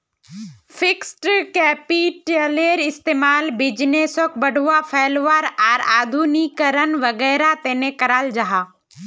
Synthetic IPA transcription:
fʰɪksʈkɛːpiʈeleːɾɪst̪eːmaːlbɪd͡ʒneːsok̚bəɽʱʊʋapʰeːlʋaːɾaːɾaːd̪ʱunikəɾənʋəɡɛːɾat̪eːnekəɾaːld͡ʒaɦaː

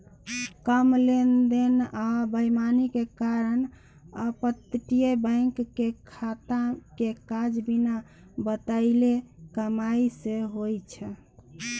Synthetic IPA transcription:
kəmlend̪enabəjmanikekaɾən | əpət̪ʈijebəɪŋkːekʰat̪akekad͡ʒbina | bət̪aɪlekəmaiseɦojt͡ʃʰɛ

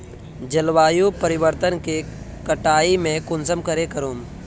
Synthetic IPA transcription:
d͡ʒəlʋaːjupəɾɪʋəɾt̪ənke | kəʈaːimẽkʊnsəmkəɾekəɾoːm

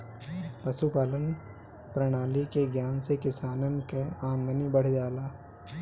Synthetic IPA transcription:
pɐʃupaːlən | pɾɐɽ̃aːlikeɡjaːnsekɪsaːnənkeaːmd̪ənibəɽ̤d͡ʒaːlaː

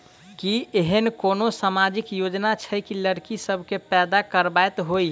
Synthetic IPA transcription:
kieɦənkonosamad͡ʒikjod͡ʒnat͡ʃʰəjkiləɾkisəbʱkepɛd̪akəɾbaet̪ɦoj

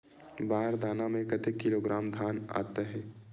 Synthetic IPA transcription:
baːɦɾd̪ʱaːnamẽkət̪ekːɪloːɡɾaːmd̪ʱaːna̰ːt̪eɦɛ̃ː

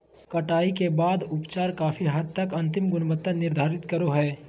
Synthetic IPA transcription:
kɐʈaːikebaːd̪ʊpt͡ʃaːɾkaːfʰiɦəd̪̚t̪əkɐ̃nt̪ɪmɡʊnbət̪ːənɪɾd̪ʱaːɾɪt̪kəɾoɦɛː

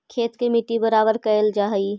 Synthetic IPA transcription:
kʰeːt̪kemɪʈibəɾaːbəɾkɐɪld͡ʒaːɦi

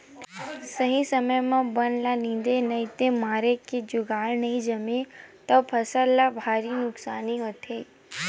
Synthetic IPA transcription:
səɦĩsəməjmãbənlanĩnd̪enəɦĩt̪emaɾeked͡ʒʊɡaɭnəɦĩd͡ʒəmet̪opʰəsalːabʱaɾinʊksaniɦot̪ʰei

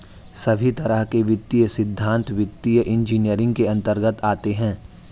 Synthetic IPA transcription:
sɐbʱit̪ɐɾəɦkeʋɪt̪ːijəsɪd̪ʱːãːnt̪ʋɪt̪ːijəʔɪ̃nd͡ʒiːnijəɾɪ̃ŋɡ̚keɐ̃nt̪əɾɡət̪aːt̪eɦɛ̃ː

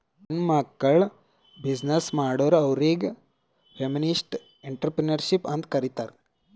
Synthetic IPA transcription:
nmaːkːɐɭ | bid͡ʒnɐsmaːɽoʋɾɐwɾeːɡ | feminisʈ | eɳʈɾpɾenɐɾʃipɐnd̪kɐɾit̪aɾ

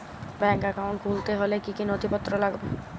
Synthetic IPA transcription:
bɛŋkakawɳʈkʰult̪eɦolekikinɔt̪ʰipɔt̪ːɾɔlaɡbo

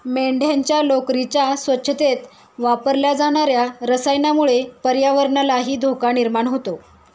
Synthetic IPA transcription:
meɳɖʱjaɲt͡ɕjalokɾit͡ɕasʋətːɕʰət̪et̪ | ʋapəɾljad͡zaɽ̃aɾjaɾəsəjnamuɭepəɾjaʋəɾɳalaɦiːd̪ʱokaniɾmaɳɦot̪o

